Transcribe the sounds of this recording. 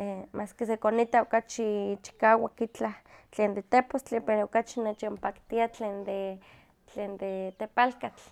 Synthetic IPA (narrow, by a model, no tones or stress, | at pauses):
emʔaːskisekonit̪aokat͡ʃit͡ʃi̥kaːwakit͡ɬaht͡ɬeːnd̪et̪epost͡ɬipeɾookat͡ʃinet͡ʃompakt̪iat͡ɬeːnd̪e | t͡ɬeːnd̪et̪epalkat͡ɬ